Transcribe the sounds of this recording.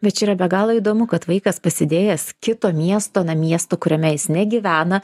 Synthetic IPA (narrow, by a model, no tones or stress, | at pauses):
bʲɛt̪t͡ʃʲiːɾɐbʲɛɡɑːlˠɐːiːd̪oːmʊkɐt̪ʋɐɪkɐspɐsʲɪd̪ʲeːjɛskʲɪt̪oːmʲiɛst̪oːnɐmʲiɛst̪oːkʊɾʲɛmʲɛjɪsnʲɛɡʲiɪʋʲæːnɐ